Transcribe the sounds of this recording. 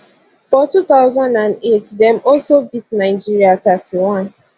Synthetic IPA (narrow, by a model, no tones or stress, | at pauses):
fɔtut̪aʊzãndãnetdɛ̃mɔlsobitnaɪd͡ʒiɹiat̪atiwɔ̃n